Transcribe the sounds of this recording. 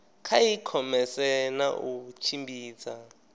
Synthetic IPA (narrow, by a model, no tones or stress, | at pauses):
kʰaikʰɔmɛsɛna̰ʔut͡ʃʰimbiːt͡sa